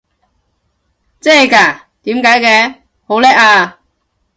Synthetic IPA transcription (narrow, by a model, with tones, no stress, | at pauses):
t͡sɛː˥˨jkaː˨˩ | t̪iː˨˥mkaː˨˥jkɛː˧ | ho˨˥wlɛː˥k̚aː˧